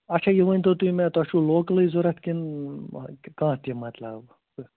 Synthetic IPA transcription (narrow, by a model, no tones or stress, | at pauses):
ɐt͡ʃʰajeʋənʲt̪ot̪uĩmẽt̪ɐʃuloːkliizoɾɐt̪ʰkʲin | kãːt̪imɐt̪lɐb